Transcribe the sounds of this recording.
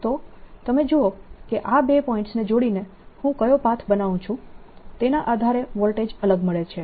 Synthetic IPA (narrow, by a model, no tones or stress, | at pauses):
t̪ot̪əmed͡ʒookeʔabepɔĩɳʈsned͡ʒoɽine | hũkəjopat̪ʰbənaʋũt͡ʃʰũt̪enaʔad̪ʱaɾeʋɔlʈed͡ʒələɡməɭet͡ʃʰe